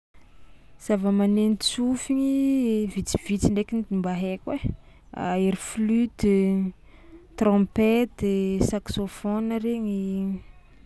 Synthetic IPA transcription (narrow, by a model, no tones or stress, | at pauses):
z̥avəmanenit͡sufiɲivit͡si̥v̥it͡siɳɖ͡ʐekinid̪imbaɦekʲwe | a̰eɾiflyd̪ | t̪rɔ̃pet̪saksofonəɾeɲi